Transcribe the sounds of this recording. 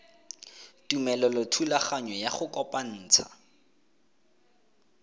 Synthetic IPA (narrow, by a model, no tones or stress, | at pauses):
tʼumɛlɔlɔtʰulaχaɲwɛjaχʊkɔpan̩ːt͡sʰa